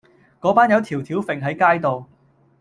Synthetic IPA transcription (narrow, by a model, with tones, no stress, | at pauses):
kɔː˨˥paː˥njɐ˨˧wt̪ʰiː˨˩wt̪ʰiː˨˥wfɪ˨ŋɦɐ˨˥jkaː˥jt̪o˨w